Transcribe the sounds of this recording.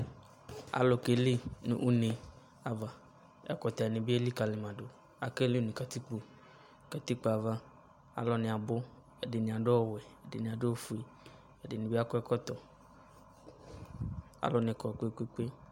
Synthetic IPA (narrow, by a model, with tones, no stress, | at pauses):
a̰˨lo˨ke˨le˦nṵ̃˦ʔu˦ne˨ | a˨va˨ | ɛ̰˦kɔ˨t̪a˨ɛ˨nẽ˨bi˦e˦li˦ka˨le˨mã˨ɖo˨ | a˨ke˦le˦nĩ˨ka˨t̪i˦k͡po˨ | ka˨t̪i˦k͡po˨a˨va˦ | a̰˨lɔ˨nɪ̃˨a˨bo˦ | e˨de˨nĩ˨a˨ɖo˦ɔ˨wɛ˨e˨de˨nĩ˨a˨do˦ɔ˦fu˨e˨ | e˨de˨nĩ˨bi˦a˦kɔ˦ɛ˦kɔ˦t̪ɔ˨ | a̰˦lɔ˨nẽ˨kɔ˨k͡pe˦˨k͡pe˦k͡pe˦